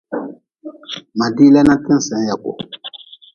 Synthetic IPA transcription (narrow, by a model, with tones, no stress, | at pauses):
ma˨di˦lɛ˦na˦ti˦n˨sɛ̃˨˦ja˨ko̰˨